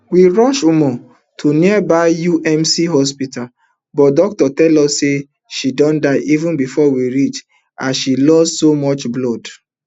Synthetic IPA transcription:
wiɹɔʃumɔ | tʰoniabaɪjuʔɛ̃msiɦɔspital | bɔt̚dɔk̚tɔtɛlɔsːe | ʃidɔ̃ndaɪʔivũnbifɔwiɹit͡ʃ | aʃilɔssomɔt͡ʃblɔd

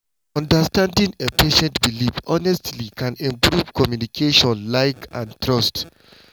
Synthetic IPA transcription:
ɔ̃ndastãndĩnepʰeʃɛ̃ntbilifɔnɛstlikʰãnɛ̃mpɹuvkɔmjunikʰeʃɔ̃nlaɪkãntɹɔst

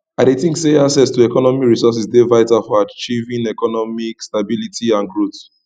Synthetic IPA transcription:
adetĩŋkseasɛstuɛkɔnɔmikɹisɔs̬isdevaɪtafɔat͡ʃivĩnɛkɔnɔmikstabilitʰiãnɡɹot

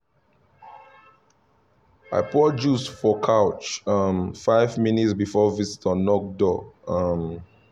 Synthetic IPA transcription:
a̰ɪpʰɹɔd͡ʒusfɔkʰaʊt͡ʃʌmfaɪvminitsbifɔvizitɔ̃nːɔk̚dɔʌm

